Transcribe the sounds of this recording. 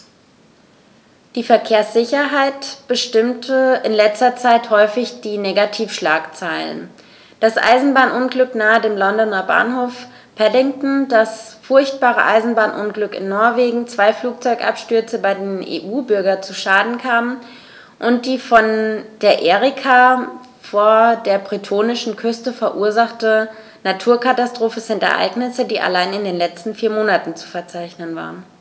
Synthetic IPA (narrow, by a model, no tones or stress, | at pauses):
d̥iːfɛɐkʰeːɐsz̥ɪçɐɦaɪtb̥əʃtɪmtʰəɪnlɛt͡stɐt͡saɪthɔʏfɪçd̥iːneːɡatʰiːfʃlaːkt͡saɪlə̰n | d̥asʔa̰ɪzn̩baːnʔʊnɡlʏknaːədeːmlɔndɔnɐba̰ːnhoːf | pʰɛdɪŋtn̩dasfʊɐçt̚b̥aːʁə̰ʔaɪzn̩baːnʔʊnɡlʏkɪ̰nːɔɐveːɡŋ̩t͡sv̥aɪfluːk̚t͡sɔʏkʔa̰pʃtʏɐt͡səbaɪdeːnʔḛːʔuːbʏɐɡɐt͡suʃaːdn̩kʰaːmən | ʔʊnt̚d̥iːfɔnd̥eːɐʔeːʁɪkʰa | foːɐdeːɐbʁ̥itʰoːnɪʃn̩kʰʏstəfɛɐʔuːɐzaχtə | natʰuːɐkatastʁ̥oːfəzɪntɛ̰ɐʔa̰ɪɡnɪsədiːʔa̰laɪnɪndeːnlɛt͡stn̩fiːɐmoːnatn̩t͡su̥fɛɐt͡saɪçnənva̰ːʁən